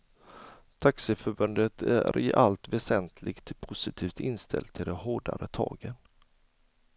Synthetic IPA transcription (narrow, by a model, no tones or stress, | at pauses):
t̪ʰaksɛfœɾbɵnd̪ət̪ʰæ̰ɾɪʔalt̪vɛsɛnt̪ʰlɪɡt̪pʰʊsɪt̪ʰiːft̪ɪnst̪ʰɛ̰lt̪ʰːɪld̪ɛɦoːɖa̰ɾət̪ʰɑ̰ːɡən